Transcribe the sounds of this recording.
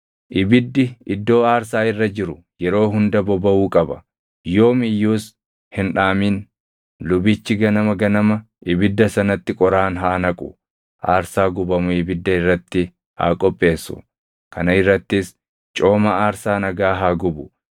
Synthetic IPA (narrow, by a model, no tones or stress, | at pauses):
ʔɪbɪd̪ːɪɪd̪ːo̞ːaːɾsaːɪrːɐd͡ʒɪɾʊ | jɛɾo̞ːɦʊnd̪ɐbɔbɐuːkʼɐbɐ̰ | jo̞ːmɪjːuːs | hɪnᶑaːmiːn | lʊbɪt͡ʃːɪɡɐnɐmɐɡɐnɐmɐ | ʔɪbɪd̪ːɐsɐnɐt̪ːɪkʼɔɾaːnɦaʔɐnɐkʼʊ | ʔaːɾsaːɡʊbɐmʊɪbɪd̪ːɐɪrːɐt̪ːɪ | ha̰ːkʼɔpʼːe̞ːsːʊ̰ | kʰɐnɐɪrːɐt̪ːɪs | t͡ʃʼo̞ːmɐaːɾsaːnɐɡaːɦaːɡʊbʊ